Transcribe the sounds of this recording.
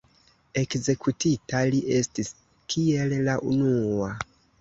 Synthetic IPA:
e̞kze̞kʰutitaliʔe̞stis | kʰiellaʔunua

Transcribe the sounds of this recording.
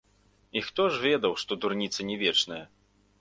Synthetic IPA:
ixt̪ɔʐvʲɛd̪ɐwʂt̪ɔd̪urnʲit̪sɐnʲɛvʲɛt͡ʂnɐjɐ

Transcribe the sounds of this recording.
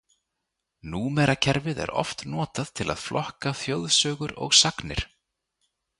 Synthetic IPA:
nuːmɛɾacʰɛɾvɪðɛ̰ɾɔ̰ft̪nɔːt̪að̥t̪ʰɪlʔa̰ðflɔhkaθjoːwðsœːɣʏɾɔ̰ɣsaknɪ̰ɾ̥

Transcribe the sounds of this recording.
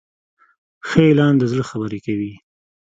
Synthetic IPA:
xəelɑnd̪əzɽəxabəɾekawi

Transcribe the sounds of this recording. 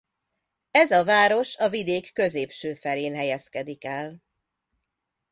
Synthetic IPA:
ɛzɒvaːɾo̞ʃɒvid̪eːkːø̞zeːpʃøːfɛleːnɦɛjɛskɛd̪ikɛl

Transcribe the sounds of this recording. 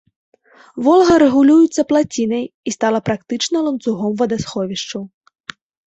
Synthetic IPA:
vɔlˠɣɐɾɛɣulʲujut̪sːɐplˠat͡sʲinɐjist̪alˠɐpɾakt̪ɨt͡ʂnɐlˠɐnt̪suɣɔmvɐd̪asxɔvʲiʂt͡ʂɐw

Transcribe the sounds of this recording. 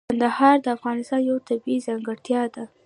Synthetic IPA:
and̪ahɑɾd̪əafɣɑnɪst̪ɑnjawt̪abizaŋɡəɽt̪jɑd̪a

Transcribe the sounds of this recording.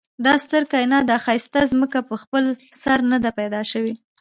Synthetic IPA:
d̪ɑst̪əɾkɑjnɑd̪axɑjst̪azməkapəxpəlsaɾnad̪apajd̪ɑʃawi

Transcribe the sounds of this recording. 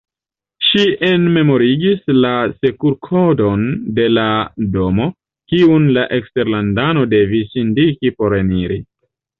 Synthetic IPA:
ʃie̞nme̞mo̞ɾiɡislase̞kuɾkʰodo̞nde̞lado̞mo̞ | kiunlaʔe̞kste̞ɾlandano̞de̞visindikipo̞ɾe̞niɾi

